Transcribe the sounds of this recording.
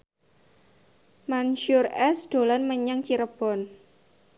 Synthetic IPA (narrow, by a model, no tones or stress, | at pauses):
manʃʊrɛsd̪̥o̤lanməɲaŋt͡ʃiɾəb̥ɔ̤n